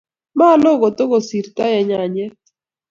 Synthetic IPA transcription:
ma˦lo˦ɣo˨to˦ɣo˨si˨ɾta˦jɛ˨ɲa˨ɲɛ˦

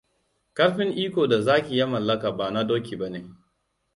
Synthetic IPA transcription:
kɐ˦ɽɸɪ˦ŋʔiː˦kʷoː˨da˨zaː˦kʲi˨ja˦mɐ˨lːɐ˦ka˨baː˨na˦doː˦kʲi˨ba˦neː˨

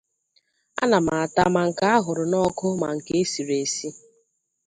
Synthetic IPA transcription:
a̰˦na˨ma˨a˨ta˦ma˨ŋ̩˨ka˦a˦ɦʊ˨ɾʊ˨nɔ˦kʊ˦ma̰˨ŋ̩˨ke˦e˦si˨ɾe˨si˦

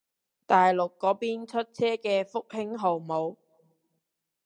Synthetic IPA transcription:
t̪aː˨jlʊ˨kːɔː˨˥piː˥nt͡ʃʰɵ˥t̚t͡sʰɛː˥kɛː˧fʊ˥k̚hɪ˥ŋɦo˨wmo˨˧w

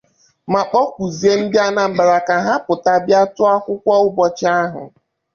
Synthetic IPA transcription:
ma˨k͡pɔ˦kʷu˨zi˨e˦n̩˦dɪ˦a˦na˨m̩˨ɡ͡ba˨ɾa˨ka˨ɦa˦pʊ˨ta˨bja˦tʊ˦a˦kʷʊ˦kʷɔ˦ʊ˦bɔ˨t͡ʃɪ˦a˦ɦʊ̰˨

